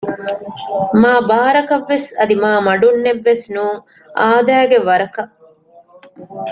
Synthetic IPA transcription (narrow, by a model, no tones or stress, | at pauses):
maːbaːɾɐkɐʋːesɐd̪imaːmɐɖunːeʋːesnũː | ʔaːd̪æːɡeʋɐɾɐkɐ